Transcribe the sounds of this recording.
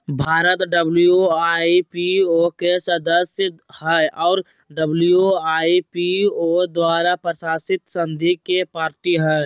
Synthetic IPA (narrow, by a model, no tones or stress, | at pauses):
bʱaːɾət̪ɖəblijuaipiokesəd̪əsjəhɛʔɔːɾ | ɖəblijoaːipiod̪waːɾapɾəsaːsɪt̪sənd̪ʱikepaːɾʈiɦɛ